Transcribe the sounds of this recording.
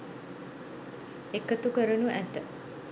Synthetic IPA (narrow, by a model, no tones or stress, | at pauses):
ekət̪ukəɾənuʔæt̪ə